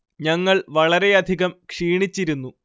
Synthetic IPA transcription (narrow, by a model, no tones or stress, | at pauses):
ɲɐŋːɐɭʋɐɭɐɾe̞ɐd̪ʱiɣɐmkʂiːɳit͡ɕːiɾunːu